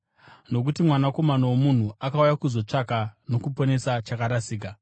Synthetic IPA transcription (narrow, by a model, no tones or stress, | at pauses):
no̞k̬utimwanako̞manowomun̤uakaujakuzo̞t͡ʂakano̞kupo̞ne̞sat͡ʃakaɾasiːk̬a